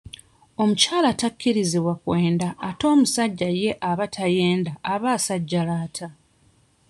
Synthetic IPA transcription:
o̞mucaːlatakːiɾiziβwakwe̞ːndaːto̞ːmusaɟːaje̞ʔaβatʰaje̞ːndaːβaːsaɟːalaːtʰa

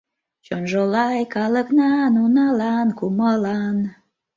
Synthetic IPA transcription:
t͡ʃonʒolɑjkɑləknɑnunɑlɑnkuməlɑn

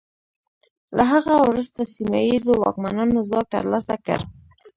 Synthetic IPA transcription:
laɦaɣawɾəst̪asimajizowɑ̰kmanɑnozɑk̚t̪ə̰ɾlɑsakə̰ɾ

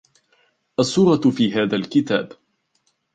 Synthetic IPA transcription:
ʔasˤːuːɾɑfiːɦaːðalkɪt̪a̰ːb

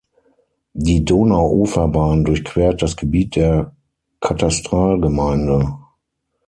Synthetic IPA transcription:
diːdoːnaʊʔoːfɐbaːndʊɐçkv̥eːɐt̚d̥asɡ̥əbiːt̚d̥eːɐ | kʰatastʁ̥aːlɡəmaɪndə

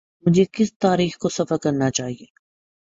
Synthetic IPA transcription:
mʊd͡ʒʱekɪst̪aːɾiːxkosɐfəɾkɐɾnat͡ʃaːɦijeː

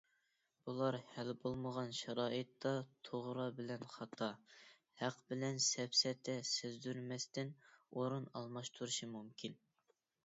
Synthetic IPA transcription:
b̥ulˠɑɾhɛlbolˠməʁɑnʃɑɾɑːʔət̪ːɑt̪ʰoʁɾɑbɪlɛnχɑt̪ʰɑ | hæqbɪlɛnsɛpsɛt̪ʰɛsezd̪yɾmɛst̪ɪnoɾunɑ̰lˠmɑʃt̪ʰuɾuʃimumkʲʰin

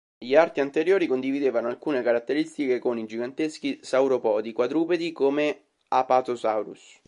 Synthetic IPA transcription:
ʎiart̪iant̪eɾjoːɾikond̪ivid̪eːvanoalkuːnekaɾat̪ːeɾist̪ikekonid͡ʒiɡant̪esk̟isawɾopɔːd̪ikwad̪ɾuːped̪ikome | apat̪osawɾṵs

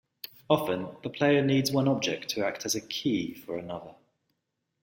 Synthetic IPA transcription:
ɒfə̃nðəpʰl̥eɪəniːdzwʌ̃nɒb̚d͡ʒɛk̚tʰəak̚tʰəzəkʰiːfəɹənʌðə

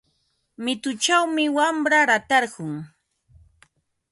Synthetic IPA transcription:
mɪt̪ʊt͡ʃawmɪwamɾaɾat̪ɑɾɢʊŋ

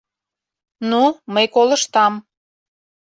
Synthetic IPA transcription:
numəjkoləʃt̪ɑm

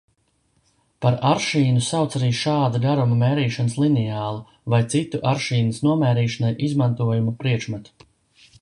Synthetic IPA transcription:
paɾaɾʃiːnusawt̪saɾiːʃaːd̪aɡaɾumameːɾiːʃanəslˠinɛaːlˠu | vajt̪sit̪uʔaɾʃiːnəsnuɔmɛːɾiːʃanajʔizmant̪uɔjumupɾiɛkʃmat̪

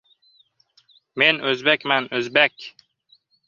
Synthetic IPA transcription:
menɵzbekʲmænɵzbekʲ

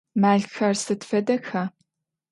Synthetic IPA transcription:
maːɮxɐrsɨtfɐdɐxaː

